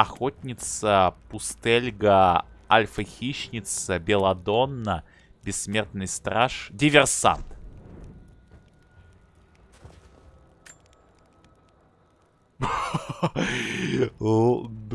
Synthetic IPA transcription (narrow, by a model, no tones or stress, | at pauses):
ɐxotʲnʲɪt̪səpʊst̪elʲɡəɐlʲfəxʲiɕnʲɪt̪səbʲɪlˠɐd̪o̞nːə | bʲɪsːmʲe̞rt̪nɨjst̪ɾaʂdʲɪvʲɪrsa̰nt̪